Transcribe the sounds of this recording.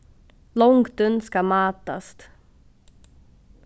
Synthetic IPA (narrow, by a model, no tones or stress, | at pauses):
lɔŋkd̪ɵnskamɑːt̪a̰st̪